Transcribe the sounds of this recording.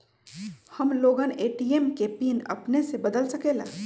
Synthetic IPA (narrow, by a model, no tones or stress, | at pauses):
hɐmloːɡəneːʈiemkepiːnɐ̰pnesebɐd̪əlsɐkeːla̰ː